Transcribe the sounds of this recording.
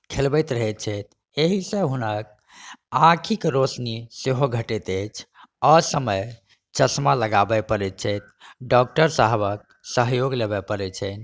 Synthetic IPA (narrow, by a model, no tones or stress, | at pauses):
kʰelbɛjt̪ɾəɦɛt̪̚t͡ʃʰɛt̪̚ | eɦisẽɦunək̚ | ãkʰikɾosniseɦoɡʱəʈɛt̪ət͡ʃʰ | ɔsəməj | t͡ʃəsmaləɡabɛpəɾɛt̪̚t͡ʃʰɛt̪̚ʰɖɔk̚ʈəɾsaɦbək̚ | səɦjoɡlebɛpəɾɛt͡ʃʰɛ